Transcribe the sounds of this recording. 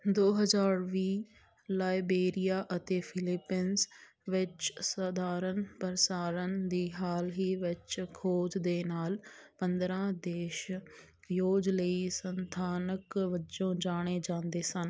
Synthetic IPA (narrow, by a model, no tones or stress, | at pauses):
d̪oːɦəzaːɾʋiː | laːibeːɾijaːʔət̪eːfʰɪlɪpiːns | ʋɪt͡ʃsəd̪aːɾənpəɾsaːɾənd̪iːɦaːlɦiːʋɪt͡ʃkʰoːd͡ʒd̪eːnaːlpənd̪ɾãːd̪eːʃ | joːd͡ʒləisənt̪ʰaːnəkʋɪt͡ʃõːd͡ʒaːɽ̃eːd͡ʒãːnd̪eːsən